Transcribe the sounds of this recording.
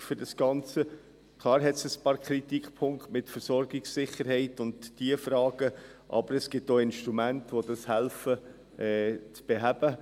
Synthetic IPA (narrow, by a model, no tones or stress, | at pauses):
fʏɾdɑsɡ̥ɑnt͡sə | kʰlˠɑːɾɦɛtsəspɑːɾkʰɾit̪ikpʰʊŋktmɪtfəɾsɔɾɡɪksːɪχəɾhɛɪtʊndd̥iəfɾɑːɡ̥əʔɑ̰b̥əɾɛsɡ̥ɪp̚toːɪnʃtɾumæntəʋodɑshælfə | ɛt͡sb̥eɦæb̥ə